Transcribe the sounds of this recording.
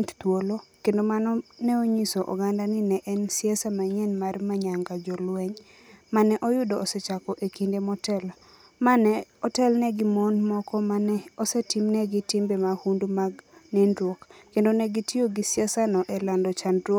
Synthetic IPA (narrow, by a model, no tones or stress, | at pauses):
tt̪wolokendomanɔnɛoɲisoʔɔ̰ɡandanɪnɛʔɛnsɪɛsamaɲɛnmarmaɲaŋɡad͡ʒɔlwɛɲ | manɛʔɔjʊdɔːsɛt͡ʃakɔʔekindemɔtɛl | manɛ | ɔtɛlnɛɡɪmonmɔkɔmanɛosɛtimnɛɡitimbemahundumaɡnɛndɾwokkːendonɛɡitioɡisɛsanɔʔɛlandɔt͡ʃando